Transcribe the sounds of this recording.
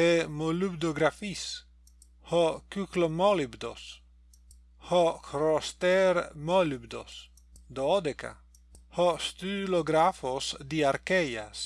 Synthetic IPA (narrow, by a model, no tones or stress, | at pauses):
emolybd̪oɡɾafis | hɔkyklomɔlibd̪o̰s | hɔkɾost̪eɾmɔlybd̪o̰s | d̪ɔd̪ekʰa̰ | hɔst̪yloɡɾafosd̪iaɾkɛjas